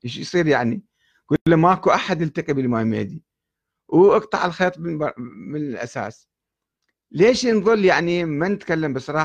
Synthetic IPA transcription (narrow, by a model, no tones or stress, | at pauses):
eʃjsˤiːɾjaʕni | ɡ̥ulːamakuʔaħad̪ɪlt̪aqibɪlmaːmḛːd̪i | wʔɑɡt̪ˤɑ̰ʕɪlxeːt̪ˤmɪnɪlʔa̰sa̰ːs | leːʃnðˤɨlːjaʕnimanɪt̪kalːambɨsˤɑɾˤɑː